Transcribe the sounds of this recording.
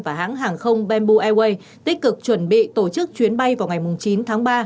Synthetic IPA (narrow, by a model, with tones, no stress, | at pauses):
vaː˨˩ɦa̰ː˧˥ŋɦaː˨˩ŋxə˧wŋ͡mɓɛ˧nɓu˧ʔɛ˧we˧j | t̪ï˦˥k̟̚kɨ˨˩k̚t͡ɕwə˧˩nɓḭ˧˨t̪o˧˩t͡ɕɨ˦˥k̚t͡ɕwi˨˦ənɓa˧jvaː˨˩wŋa˨˩jmʊ˨˩ŋ͡mt͡ɕi˨˦nt̪ʰaː˨˦ŋɓaː˧